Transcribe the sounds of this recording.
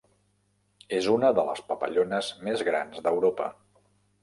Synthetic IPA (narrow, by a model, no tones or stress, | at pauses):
ezunəðələ̰spəpə̰ʎonəzmezɣɾa̰nzðəwɾopə̰